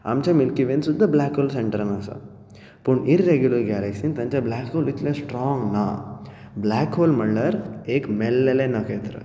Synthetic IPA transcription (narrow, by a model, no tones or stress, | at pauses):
ɐ̰mt͡ʃɐmilkiʋensud̪ːɐblaːkoːlseɳʈɐɾnaːsɐ̰ | puɳiɾːeɡjulɐɾɡaːlɐksint̪ɐɲt͡ʃɐblaːkɦoːlit̪lesʈɾɔːŋɡna̰ː | blaːkɦoːlmɐɭːɐɾeːkmelːelenɐkejt̪ɐɾɐ̰